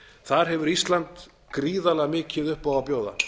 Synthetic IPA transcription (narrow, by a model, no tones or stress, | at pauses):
θaɾ̥ɦɛvʏɾist̪lant̪ | kɾiːðalɛɣmɪːcʰɪðʏhpawapjoːwða̰